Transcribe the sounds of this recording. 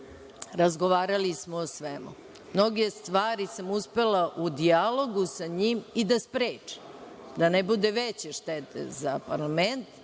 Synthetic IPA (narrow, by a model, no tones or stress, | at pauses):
ɾazɡoʋaːɾalismoːsʋemṵ | mno̞ɡe̞st̪ʋaːɾisamuspe̞laʔud̪ialˠo̞ɡusaɲiːmid̪aspɾeːt͡ʂi̥ | d̪anebud̪eʋet͡ɕeʃt̪et̪ḛzapaɾlament̪